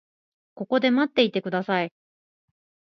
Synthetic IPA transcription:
ko̞ko̞d̪e̞mat̪ːe̞it̪e̞kɯ̟d̪asai

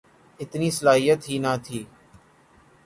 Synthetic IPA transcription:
ɪt̪niːsəlaːɦijət̪ɦiːnaːt̪ʰiː

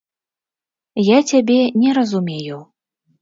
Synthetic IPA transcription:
jat͡sʲabʲɛnʲɛɾɐzumʲeju

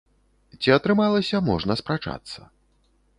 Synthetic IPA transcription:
t͡sʲiɐt̪ɾɨmalˠɐsʲɐmɔʐnɐspɾat͡ʂa̰t̪sːɐ̰

